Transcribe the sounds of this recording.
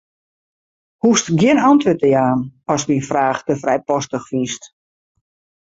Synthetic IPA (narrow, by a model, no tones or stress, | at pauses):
hustɡjɪnɔntʋøtəjaːnɔsminfraːxtəfrɛjpɔstəxfist